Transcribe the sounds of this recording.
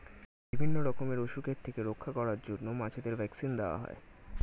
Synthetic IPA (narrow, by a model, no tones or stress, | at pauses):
bibʱinːoɾɔkomeɾoʃukeɾt̪ʰekeɾokʰːakɔɾaɾd͡ʑonːomat͡ɕʰed̪eɾbʱɛksind̪eoa̰ɦɔ̰e